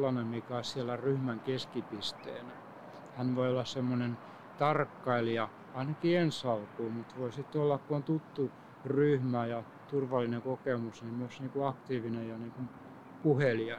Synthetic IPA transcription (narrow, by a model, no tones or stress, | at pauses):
lːɑnemmikæoissiælːæryhmæŋkeskipist̪ḛːnæ | hænʋoiolːɑssemːonen | t̪ɑrkːɑiljɑ | ɑinɑkiensɑlkuːmut̪ʋoisit̪ːolːɑkkuont̪ut̪ːu | ryhmæjɑ | t̪urʋɑlːineŋkokemusnimyøsniːŋkuɑkt̪iːʋinejjɑniːŋkum | puheljɑ